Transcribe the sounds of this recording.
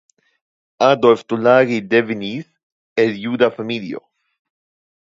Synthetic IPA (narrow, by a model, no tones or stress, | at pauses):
ad̪oeft̪ulaɾid̪evinis | eljud̪afamiljo̰